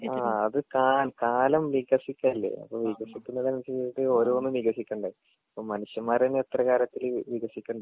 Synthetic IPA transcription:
aɐðɨkaːnkaːlɐmʋiɡɐsikʲːalːḛɐ̰pːoʋiɡɐsikʲːunːɐðɐmɐt͡ɕːɐt͡ɕejɐʈːɨo̞ːɾoːonːumʋiɣɐsikʲːɐɳɖɐ | ɐpːomɐnuɕjɐmaːɾenet̪rɐɣaːɾɐt̪ːilʋiɡɐsikʲːɐɳɖ

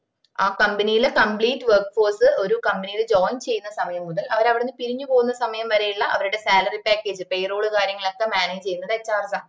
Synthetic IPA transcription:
aːkɐmbɐnijilekɐmpliːtːɨʋɐrkfo̞ːrsɨʔo̞ɾukɐmbɐnijiled͡ʑoːjnt͡ɕe̞jːunːɐsɐmɐjɐmːuðɐlʔɐʋɐɾɐʋiɽenːɨpiɾiɲːupo̞ːɣunːɐsɐmɐjɐmʋɐɾe̞juɭːɐʔɐʋɐɾuɽe̞saːlɐripaːkːeːd͡ʑɨpe̞jroːɭukaːɾjɐŋːɐɭo̞kːemaːneːd͡ʑt͡ɕe̞jːunːɐðɨet͡ɕːaːrsaː

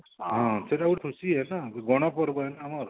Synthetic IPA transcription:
ɦɔ̃seʈauɽt̪ʰusienakɡɔɽ̃ɔpɔɾbɔenaːmɔɾ

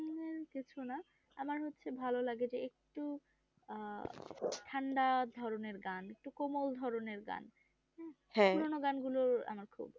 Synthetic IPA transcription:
ŋneɾkit͡ɕʰuna | amaɾɦotːɕʰebʱalolaɡed͡ʑeek̚ʈu | ʈʰaɳɖad̪ʱɔɾoneɾɡanek̚ʈukomold̪ʱɔɾoneɾɡa̰n | hɛ | hɛ̃uɾonoɡanɡuloɾa̰maɾkʰṵb

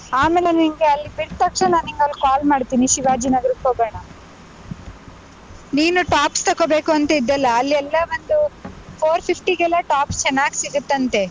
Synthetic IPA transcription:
aːmeleniŋɡe̞ɐlːibiɽt̪ɐkʂɐnaːniŋɡɐlːukaːlmaːɖt̪iːniʃiʋaːd͡ʒinɐɡ̪ɐɾuɡɦoːɡɐːɳɐ | niːnuʈaːpst̪ɐɡoːbe̞ːkuɐnt̪ɐid̪ːɐlːɐːlːiɛlːɐʋond̪upʰoːɾpʰipʰʈiɡɛlɐʈaːpst͡ʃɛnːaːɡisiɡut̪ːɐnt̪e̞

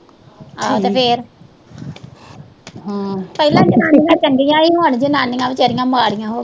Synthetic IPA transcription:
aːt̪eːpʰeɾ | ɦãːpəːlãːd͡ʒənaːnɪjãːt͡ʃəŋɡijãːiːɦũand͡ʒənaːnɪjãːʋt͡ʃəɾɪjãːmaːɽɪjãːɦoː

